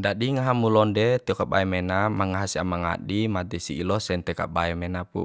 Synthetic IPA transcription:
d͡ʒaɗiŋaɦamulɔndɛt̪ɛɔkaba̰ɛmɛnamaŋaɦasia̰maŋa̰ɗimat̪ɛsiːlɔsɛnt̪ɛka̰baɛmɛnapṵ

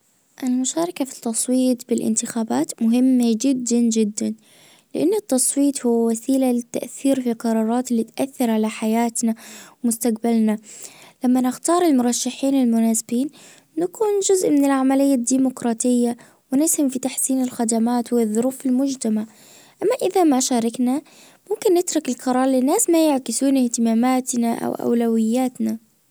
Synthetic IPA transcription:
ʔɪlmʊʃaːɾˤɑkafi̥t̪ːɑsˤwiːt̪bɪlʔɪ̰nt̪ɪxaːbaːt̪mʊɦɪmːad͡ʒɪd̪ːand͡ʒɪd̪ːan | lɪʔanːʊt̪ːɑsˤwiːt̪hʊwːawasiːlalɪt̪ːa̰ʔθiːɾfilqɑɾˤɑːɾˤɑːt̪ɪlːiːt̪ʔaθːɑɾˤʕalaħajaːt̪nawmʊst̪aqbalnalamːanɪxt̪ɑːɾˤɪlmʊɾˤɑʃːaħiːnɪlmʊnaːsɪbiːnː | akuːnd͡ʒʊzʔmɪnɪlʕamalɪjːad̪iːmʊkɾˤɑːt̪ɪjːa | wɪnɪshamfit̪aħsiːnɪlxad̪amaːt̪wɪðˤːʊɾuːfɪlmʊd͡ʒt̪amaʕ | ʔamːaʔɪðamaʃaːɾˤɑkna | mʊmkɪnːɪt̪ɾˤʊkɪlqɑɾˤɑːɾˤlɪnːaːsmajaʕkɪsuːnɪht̪ɪmaːmaːt̪naʔa̰wʔa̰wlawɪjːaːt̪na

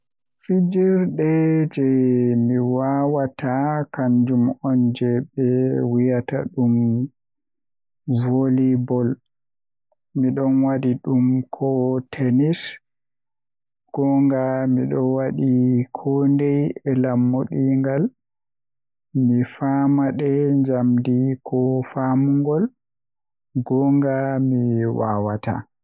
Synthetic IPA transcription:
fid͡ʒiɾɗɛd͡ʒɛmiwawatakaɲd͡ʒumɔnd͡ʒɛɓɛwijata̰ɗum | volibɔl | miɗɔnwaɗiɗumkʰɔtʰɛnis | ɡ̥ɔŋɡamiɗɔwaɗikʰɔndɛjɛlamːoɗiŋɡal | mifamaɗɛɲd͡ʒamdikʰɔfamuŋɡɔl | ɡɔŋɡamiwa̰wata̰

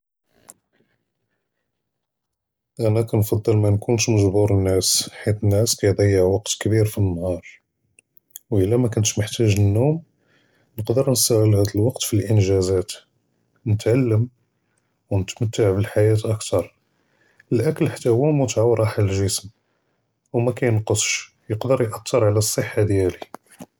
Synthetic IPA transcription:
ʔænækænfɑd̪ˤːəlmænkunt̪məʒbuɾənːæsħit̪ənːæskæjd̪ˤɑjːəʕwɑqt̪kbiɾfinːhɑɾˤ | wʔəlːæmækʊnt̪ʃməħt̪æʒənːum | nəqd̪əɾnəst̪æɣəlhæd̪əlwɑqt̪filʔənʒæzæt̪ | nət̪ʕalːəm | wnət̪mæt̪ːaʕbəlħajæt̪ʔækt̪ɑɾˤ | əlʔækəlħḁt̪ːæhwæmut̪ʕawɾˤɑħalʒəsm | wmækæjənqəsˤʃ | jəqd̪əɾjʔɑt̪ːəɾˤʕlæsˤːəħːad̪jæli

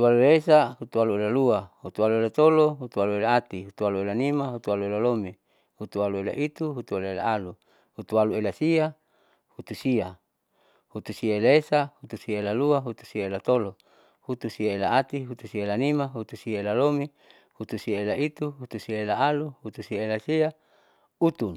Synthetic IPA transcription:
ut̪ualuesaɦut̪ualuelaluahut̪ualuelat̪oloɦut̪ualuelaat̪iɦut̪ualuelanimaɦut̪ualuelalomi | hut̪ualuela̰ʔit̪uɦut̪uelaela̰alu | hut̪ualuelasia | hut̪usia | hut̪usiaelaesahut̪usiaelaluaɦut̪u̥siaelat̪olo | hut̪usiaelaat̪iɦut̪usiaelanimaɦut̪usiaelalomi | hut̪usiaelait̪uɦut̪usiaelaaluhut̪usiaelasia | ut̪un

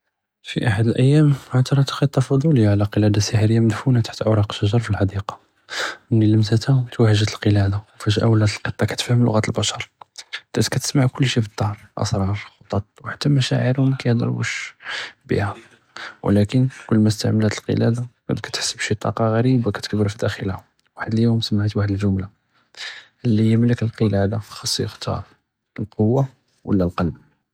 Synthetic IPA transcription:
fiʔaħad̪əlʔəjːæmat̪ɑɾˤɑt̪ə̥qəd̪̚t̪ːɑfɑd̪ˤuləjaʕlæqəlæd̪asəħɾəjːaməd̪funat̪aħt̪ʕoɾˤɑqʃəʒɑɾˤfilħɑd̪iqɑ̥ | mnilːəmt̪æt̪æt̪wæhəʒət̪əlqəlæd̪awfiʒʔæ̰wlːæt̪əlqət̪ˤːɑkæ̥t̪fhəmlʊ̰ɣæt̪əlbæʃɑɾˤd̪̥æt̪kæt̪ə̥smaʕkʊlːʃifəd̪ˤːɑhɾˤʔɑ̰sɾˤɑɾˤxot̪ˤɑt̪̚ˤwħḁt̪ːæmæʃæ̰ʕəɾhʊmkæjd̪ˤɑ̰ɾˤbṵʃ | bḭhæ | wlækənkʊlːmæst̪aʕməlæt̪əlqə̰læd̪akæ̰d̪kæ̥t̪ħə̥sːəbʃit̪ˤːɑ̰qɑɣæɾibakæt̪əkbəɾfid̪æxəlhæ | waħəd̪əljumsəmːaʕət̪waħəd̪əlʒʊmla | əlːijmləkəlqəlæd̪afi̥xɑsˤːjəxt̪ʰɑ̰ɾˤ | əlqowːa | wʔə̰lːælqɑlb

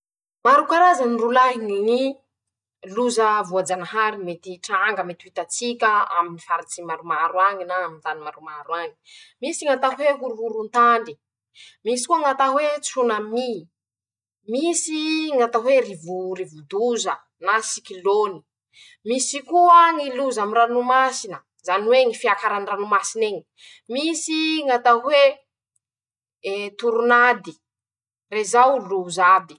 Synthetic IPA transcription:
maɾukaɾazanirulaɦiŋini | luzəvuad͡zanaɦaɾimet̪iʈ͡ʂaŋɡəmet̪iwit̪at͡sikʲəa̰minifaɾat͡simaɾumaɾwaŋinaːminzanimaɾumaɾuaŋi̥misiŋat̪aɦweɦuɾuɦuɾunt̪aɳɖ͡ʐi | misi̥kuaŋat̪aɦwet͡sunami | misiŋat̪aɦwerivuɾivud̪uzə | nasikiloni̥ | misikuaŋiluzamiɾanumasinə | zaniweŋifiakaɾaniranumasineɲi̥ | misiŋat̪aɦwe | t̪uɾunad̪i | rezawluzad̪i̥

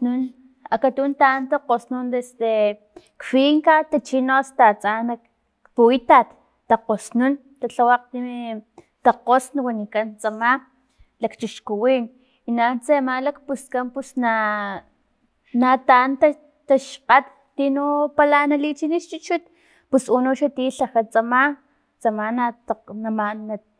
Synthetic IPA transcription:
nun | akat̪unt̪ant̪aqosnund̪esd̪e | kfiŋkat̪at͡ʃinost̪at͡sanak | puit̪at̪ː | aqosnun | t̪at͡ɬawaq̚t̪i | t̪aqosnawanikant͡sama | lakt͡ʃiʃkuwin | inant͡semalakpuskampusna | nat̪ant̪a | t̪aʃqat̪ːinupalanalit͡ʃiniʃt͡ʃut͡ʃut̪̚ | pusunuʃat̪iɬaxat͡sama | t͡samanat̪anamana

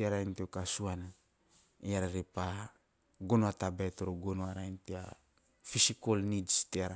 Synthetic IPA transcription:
iaɾaint̪iokasuana | ijaɾaɾipa | ɡonwat̪abet̪oɾoɡonoaɾaint̪ia̰ | fisikolnidst̪iaɾa

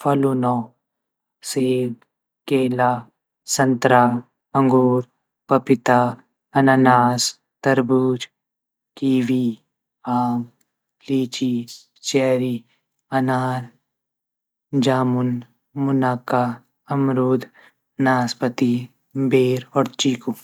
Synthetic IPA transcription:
pʰɐlunɔː | seːb | keːlaː | sɐnt̪ɾaː | ɐ̃ŋɡuːɾ | pɐpɪt̪a | ɐnanaːs | t̪ɐɾbuːd͡ʒ | kiːʋi | aːm | liːt͡ʃi | t͡ʃɛːɾi | ɐnaːɾ | d͡ʒaːmʊn | mʊnaːka | ɐmɾuːd̪ | naːspət̪i | beːɾɔːɾt͡ʃiːku

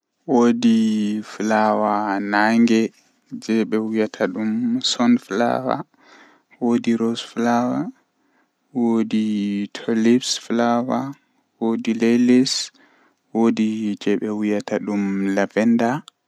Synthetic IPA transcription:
wodiflawanaŋɡɛ | d͡ʒɛɓɛwijatʰaɗumsɔnfla̰wa̰ | wodiɾɔsflawa | woditʰɔlipsflawa | wodilelis | wodid͡ʒɛɓɛwijataɗumlavɛnda

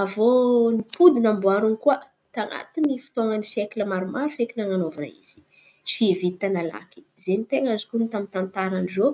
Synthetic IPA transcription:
avonipʰud̪inambuaɾuŋikuə | t̪aŋa̰t̪inifi̥t̪oŋənisjekuləmaɾumaɾufekinaŋanovuɾa̰ḭz̥i̥ | t͡sivit̪ːanala̰ki̥zenit̪eŋazi̥kunit̪amint̪ant̪aɾanizo

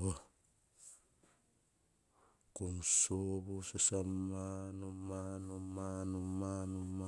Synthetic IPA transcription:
o | koŋsoβosasamanomanomanomanoma

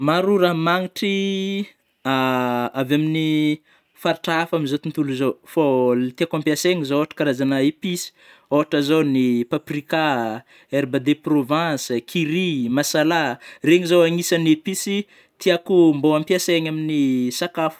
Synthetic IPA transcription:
maɾuɾamaŋiʈ͡ʂi | aavamini | faɾiʈ͡ʂaafaminzot̪unt̪uluzowfolt̪iakampjaseŋizooaʈ͡ʂə̥kaɾazanaepisi̥ | oɦaʈ͡ʂazonipaprika | eɾbad̪eprovãskʰiɾimasalareŋizowaŋisanepisi | t̪iakumboampjaseɲaminisakafu̥

